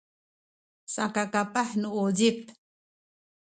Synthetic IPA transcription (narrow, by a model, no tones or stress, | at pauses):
sa̰kakapaħnuod͡ʑip̚